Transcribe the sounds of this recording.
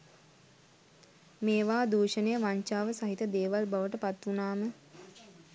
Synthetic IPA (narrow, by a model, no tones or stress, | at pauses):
meːʋaːd̪uːʃənejəʋaɲt͡ʃaːʋəsaɦit̪əd̪eːʋalbaʋəʈəpat̪unaːmə